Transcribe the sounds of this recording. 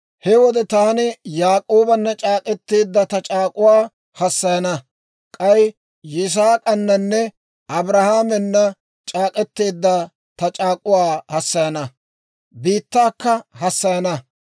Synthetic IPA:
hɛwɔd̪ɛt̪aːnɪjaːkʼo̞ːbɐnːɐt͡ʃʼaːkʼɛt̪ːeːd̪ːɐt̪ɐt͡ʃʼaːkʼʊwaː | hɐsːɐjɐnɐ | kʼɐj | jɪs̬aːkʼɐnːɐnːɛ | ʔɐbɾɐhaːmɛnːɐ | t͡ʃʼaːkʼɛt̪ːe̞ːd̪ːɐ | t̪ɐt͡ʃʼaːkʼʊwaːhɐsːɐjɐnɐ | biːt̪ːaːkːɐhɐsːɐjɐnɐ

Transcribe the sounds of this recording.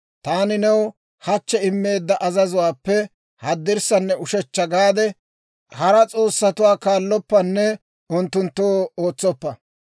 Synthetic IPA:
t̪aːnɪnɛw | hɐt͡ʃːɛɪmːe̞ːd̪ːɐʔɐzɐzʊwaːpːɛ | hɐd̪ːɪɾsɐnːɛʊʃɛt͡ʃːɐɡaːd̪ɛ | hɐɾɐt͡sʼo̞ːsːɐt̪ʊwaːkaːlːɔpːɐnːɛ | ʊnt̪ːʊnt̪ːoːoːt͡sːɔpːɐ

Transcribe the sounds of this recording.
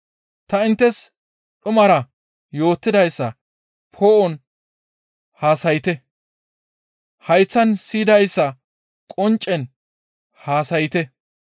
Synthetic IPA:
t̪ɐɪnt̪ːɛs | ɗʊmɐɾɐ | jo̞ːt̪ːɪd̪ɐjsːɐ | pʰo̞ːʔɔn | haːsɐjɪt̪ɛ | hɐjt͡sːɐnsiːd̪ɐjsːɐ | kʼɔnt͡ʃʼːɛn | haːsɐjɪt̪ɛ

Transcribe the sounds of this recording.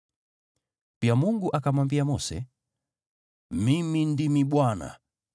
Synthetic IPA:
piamuŋɡuʔakamwambiamɔsɛ̰ | mimindimiɓwana̰

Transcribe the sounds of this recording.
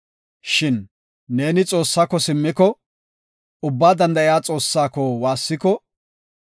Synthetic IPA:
ʃɪnː | e̞ːnɪt͡sʼo̞ːsːaːkːɔsɪmːɪkɔ | ʊbːaːd̪ɐnd̪ɐʔɪjaːt͡sʼo̞ːsːaːkɔwaːsːɪkɔ

